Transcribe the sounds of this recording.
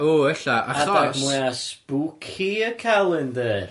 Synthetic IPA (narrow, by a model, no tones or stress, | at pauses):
oːəɬaʔaadɔaɡmɛasb̥ukʰiəkʰalˠɪnðɛːr